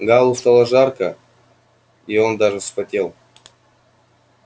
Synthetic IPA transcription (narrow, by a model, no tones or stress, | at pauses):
ɡalˠust̪alˠəʐarkə | io̞nd̪aʐɨsfɐtʲe̞lˠ